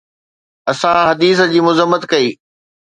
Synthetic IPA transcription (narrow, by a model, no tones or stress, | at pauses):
ɐsãɦɐd̪iːs̬ə̆d͡ʑiːmʊzəmːət̪kɐiː